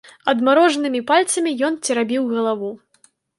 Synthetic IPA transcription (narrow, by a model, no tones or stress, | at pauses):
ɐd̪maɾɔʐnɨmʲipalʲt̪sɐmʲijɔnt͡sʲɛɾabʲiwɣɐlˠavu